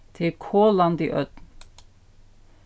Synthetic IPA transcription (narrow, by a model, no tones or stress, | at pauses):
t̪ʰɪkʰoːlɑnd̪ḭːʔœd̪n